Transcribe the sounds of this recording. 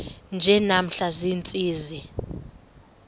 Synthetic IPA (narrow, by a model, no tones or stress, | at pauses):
nd͡ʒʱɛnam̩ɬaziːnt͡sʼiːzi